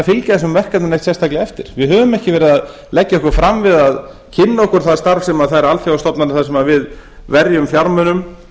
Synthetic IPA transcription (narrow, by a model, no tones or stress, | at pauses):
fɪlcaθɛsʏmvɛr̥kat̪nanejht̪sɛst̪ʰaklɪɛft̪ɪɾ̥vɪðɦœːvʏmɛhcɪvɛːɾɪðað | lɛcːaɔhkvɾ̥fɾamvɪðað | cʰɪnːaɔhkʏɾ̥θaðst̪aɾfsɛmaðθaðɾalt̪ʰjawast̪ɔpnanɪθaðsɛmavɪð | vɛɾjʏmfjaɾmœnʏm